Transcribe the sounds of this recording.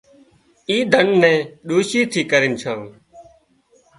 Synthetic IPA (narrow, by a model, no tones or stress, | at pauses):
iːd̪ʱəɳnɛ̃ːɗuːʃiːt̪ʰiːkəɾɪnt͡ʃʰãː